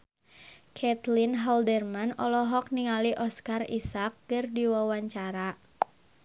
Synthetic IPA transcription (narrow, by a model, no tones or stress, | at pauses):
kʰɛt̪linɦɔldɛrmanɔlɔɦɔk̚niŋaliʔɔskarḭsak̚kɨrdiwawaɲt͡ʃaɾa